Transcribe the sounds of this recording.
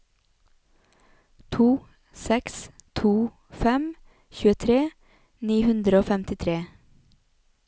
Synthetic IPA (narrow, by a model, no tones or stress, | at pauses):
t̪ʰuː | sɛkst̪ʰuː | fɛm | çʉːət̪ʰɾeː | niːhʉnd̪ɾəoːfɛmt̪ɪt̪ʰɾeː